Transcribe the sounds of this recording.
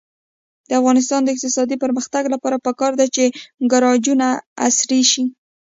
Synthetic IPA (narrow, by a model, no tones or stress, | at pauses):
d̪̥əafɣɑnɪs̬t̪ɑnd̪əɪq̚t̪ɪsɑd̪ipəɾməxt̪aɡlapɑɾapəkɑɾd̪at͡ʃeɡaɾɑd͡ʒunaasɾeʃi